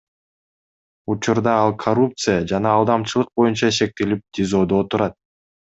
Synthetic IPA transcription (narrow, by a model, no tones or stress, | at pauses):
ut͡ʃuɾd̪ɑɑlˠkʰɐɾup̚t̪sɨjad͡ʒɑnɑːlˠd̪ɑmt͡ʃɯlˠɯq̚bo̞junt͡ʃɑʃe̞k̚t̪e̞lip̚d̪ʲɪzo̞d̪oot̪uɾɑt̪̚